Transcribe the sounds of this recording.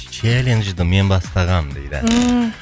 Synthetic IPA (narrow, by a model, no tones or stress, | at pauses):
t͡ʃʰelenʒd̪əme̞nbɑst̪ɑʁɑmd̪ejd̪ɪ̰